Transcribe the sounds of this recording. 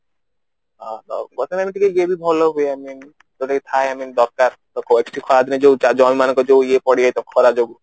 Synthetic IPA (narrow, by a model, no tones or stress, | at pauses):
ad̪ɔ̰ɡɔt̪ʰemamiʈʰikeɡebibʱɔloɦueamin | t̪oʈakit̪ʰaeamind̪ɔɾkaɾt̪ɔkoek̚sʈʰikʰɔad̪ined͡ʒout͡ʃad͡ʒɔmmanɔ̃ŋkɔd͡ʒouiepɔɽiajt̪ɔkʰɔɾad͡ʒobu